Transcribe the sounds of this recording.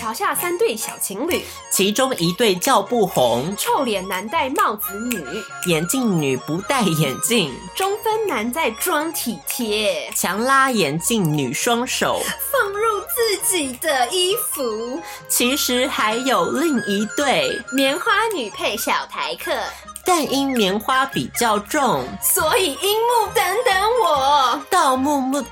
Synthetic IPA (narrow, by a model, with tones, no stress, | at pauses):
t͡ɕʰjɑ˨˥ʊɕja˥˩sa˥nt̪we˥˩ɪɕjɑ˨˩ʊt͡ɕʰi˧˥ŋly̰˨˩˦ | t͡ɕʰi˧˥ʈ͡ʂʊ˥ŋi˧˥t̪we˥˧ɪt͡ɕjɑ˥˧ʊpu˥˩xʊ˧˥ŋʈ͡ʂʰo˥˧ʊljɛ˨˩nna˧˥nt̪a˥˧ɪmɑ˥˩ʊt͡sɹ̩˧˥ny˨˩˦ | jɛ˨˩nt͡ɕi˥˩ŋny˨˩pu˧˥t̪a˥˩ɪjɛ˨˩nt͡ɕi˥˩ŋ | ʈ͡ʂʊ˥ŋfə˥nna˧˥nt͡sa˥˩ɪʈ͡ʂwɑ˥ŋt̪ʰi˨˩t̪ʰjɛ˥t͡ɕʰjɑ˧˥ŋla˥jɛ˨˩nt͡ɕi˥˩ŋny˨˩ʂwɑ˥ŋʂo˨˩˦ʊfɤ˥˧ŋɻu˥˧t͡sɹ̩˥˩t͡ɕi˨˩d̪ə˦i˥fu˧˥ | t͡ɕʰi˧˥ʂɻ̩˧˥xa˧˥ɪjo˨˩ʊli˥˩ŋi˧˥t̪we˥˩ɪmjɛ˧˥nxwa˥ny˨˩pʰe˥˩ɪɕjɑ˨˩ʊt̪ʰa˧˥ɪkʰɤ˥˩ | t̪a˥˩ni˥nmjɛ˧˥nxwa˥pi˨˩t͡ɕjɑ˥˧ʊʈ͡ʂʊ˥˩ŋswɔ˧˥i˨˩i˥mu˥˩t̪ə˧˥ŋt̪ə˧˥nwɔ˨˩˦t̪ɑ˥˧ʊmu˥˧mu˥˩